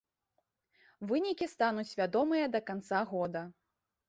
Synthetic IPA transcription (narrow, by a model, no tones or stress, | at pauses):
vɨnʲikʲist̪anut͡sʲvʲad̪ɔmɨjɐd̪ɐkant̪saɣɔd̪ɐ